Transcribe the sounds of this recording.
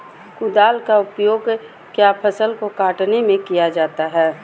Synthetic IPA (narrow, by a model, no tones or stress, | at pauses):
kʊd̪aːlkaʊpjoːɡ | kjaːpʰəsəlkokaːʈnemẽkijad͡ʒaːt̪aɦɛː